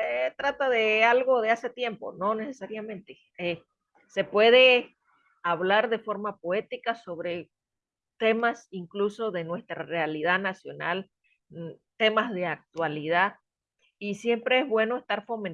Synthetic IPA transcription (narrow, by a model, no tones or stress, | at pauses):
et̪ɾat̪aðe̞alɣo̞ðease̞t̪je̞mpo̞̰no̞ne̞sesaɾjamẽ̞nt̪e | e | se̞pwe̞ðe̞ | aβlaɾðe̞fo̞ɾmapoe̞t̪ikaso̞βɾe̞ | t̪e̞masiŋkluso̞ðe̞nwe̞st̪ɾare̞alið̞anasjo̞na̰l | t̪e̞mazðe̞ak̚t̪waliða | isje̞mpɾe̞ezβwe̞no̞est̪aɾfo̞men